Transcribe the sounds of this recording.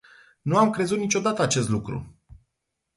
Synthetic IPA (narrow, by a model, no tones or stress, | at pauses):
nuamkɾe̞zut̪nit͡ʃo̞d̪at̪əat͡ʃe̞st̪lukɾṵ